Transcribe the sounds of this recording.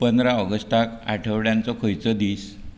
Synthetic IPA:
pənd̪ɾaɔɡəsʈaka̰ʈʰəʋɽjant͡sɔkʰəjt͡sɔd̪iːs

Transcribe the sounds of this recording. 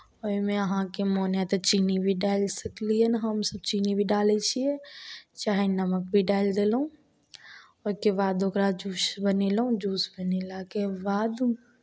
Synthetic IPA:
ɔːimẽəɦãkemoːnjat̪ɐt͡ʃiːnibʱiɖaːɪlsəkliɛnɦəmsəb̚t͡ʃiːnibʱiɖaːlet͡ʃʰiet͡ʃaːɦenəmək̚bʱiɖaːɪld̪eːlɦũ | ʊskebaːd̪okɾad͡ʒuːsbənelaɦũd͡ʒuːsbənelakebaːd̪

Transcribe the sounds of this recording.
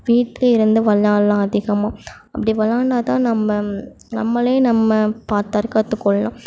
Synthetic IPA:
ʋiːʈlɐɪɾɯnd̪ɯʋɐlːaːlãːɐðɪɣɐmaːɐpːɐɽiʋɐlːaːɳɖaːt̪ãːnɐmːɐ | nɐ̰mːɐleːnɐmːɐpaːɾt̪ɐɾkɐt̪ːɯkːɔɭːɐlã̰ː

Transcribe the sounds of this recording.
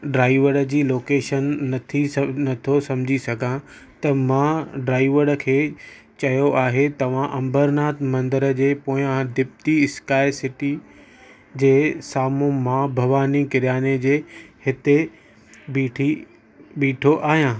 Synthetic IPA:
ɖɾaːiʋəɽə̆d͡ʑiːloːkeːʃənːɐt̪ʰinɐt̪ʰosɐmd͡ʑʱisɐɡʱã | t̪ɐmãɖɾaːɪʋəɽkʰeː | t͡ɕɐjoʔaːɦet̪ɐʋ̤ãʔɐ̃mbəɾnaːt̪mɐ̃nd̪əɾəd͡ʑeːpoːɪ̃ãd̪ɪp̚t̪iɪskaːɪsɪʈi | d͡ʑeːsaːmõmãbʱɐʋaːnikɪɾjaːned͡ʑeːhɪt̪e | biːʈʰi | ɓiːʈʰoʔaːɦijãː

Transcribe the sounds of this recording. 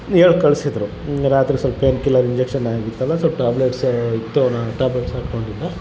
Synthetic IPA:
eɭkɐɭsid̪ɾu | ɾaːt̪ɾisɐlppenkilɐɾiɲd͡ʒekʂɐnːaːɡit̪ːɐlːɐsɐlpʈaːbleʈsit̪ːuɐnɐʈaːbleʈsaːkkoɳɖilːa

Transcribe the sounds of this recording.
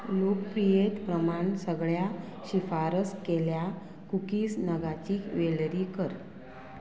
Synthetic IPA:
lokpɾijet̪pɾəmaɳsəɡɭjaɕifaɾəskelja | kukiːsnəɡat͡ɕiːkʋelɾiːkəɾ

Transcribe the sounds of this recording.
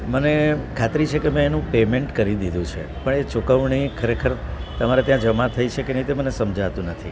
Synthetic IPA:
mənekʰat̪ɾit͡ʃʰekemẽenũpemeɳʈkəɾid̪id̪ʱũt͡ʃʰḛpəɳet͡ʃukəʋɳ̃ikʰəɾekʰəɾt̪əmaɾet̪jãd͡ʒəmãt̪ʰəit͡ʃʰekenit̪emənesəmd͡ʒat̪ũnət̪ʰi

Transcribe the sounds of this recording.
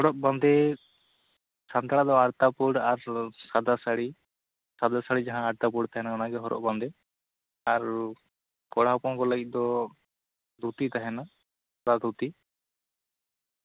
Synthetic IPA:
hɔɽɔʔ̚band̪ɛ | sant̪aɽ̃ad̪ɔaɽt̪apuɽaɾsad̪asaɽi | sad̪asaɽid͡ʒaɦãaɽt̪apuɽt̪aɦɛnaɔnaɡɛɦɔɾɔ̰ʔ̚band̪ɛ | aɾ | kɔɽ̤apɔnkɔləɡit̪̚ˀd̪ɔ | d̪ʱut̪it̪aɦɛna | kɔɽad̪ʱut̪i

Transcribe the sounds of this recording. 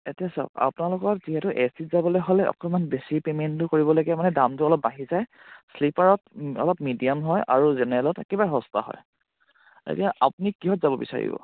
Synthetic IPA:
etiasɔ̰ka̰punalʊkɔziɦɛtʊʔesitzabɔlojɦolɛʔɔ̰kɔmanbesipementtʊkoɹibɔlaɡɛmanɛdamtʊɔlɔp̚baɦizaj | slipaɹɔtɔ̰lɔpmidiamɦɔjʔa̰ɹuzɛnɛlɔtɛkɛbaɹɛɦɔsta̰ɦɔ̰j | ḛtijaʔapunikːiɦɔtzabɔbḭsa̰ɹḭbɔ̰

